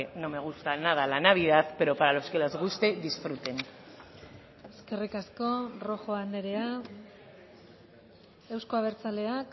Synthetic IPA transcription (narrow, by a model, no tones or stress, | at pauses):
nomeɣ̞ust̪anað̞alanaβ̞iðaθpeɾo̞paɾaloskelazɣust̪e̞ðisfɾut̪e̞n | eske̞rikasko̞ro̞xo̞and̪e̞ɾe̞a | ewsko̞aβ̞e̞ɾt͡sale̞ak